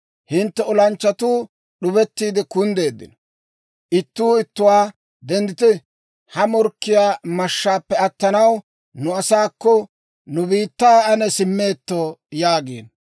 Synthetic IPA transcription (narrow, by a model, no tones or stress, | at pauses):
hɪnt̪ːɛɔlɐnt͡ʃːɐt̪uː | ɗʊbɛt̪ːiːd̪ɪkʊnd̪e̞ːd̪ːɪ̰n | ʔɪt̪ːuːɪt̪ːʊwaː | d̪ɛnd̪ɪt̪ɪ | hɐmɔɾkːɪjaːmɐʃːaːpːɛɐt̪ːɐnɐw | nʊɐsaːkːɔ | nʊbiːt̪ːaːɐnɛsɪmːe̞ːt̪ːoːjaːɡḛːn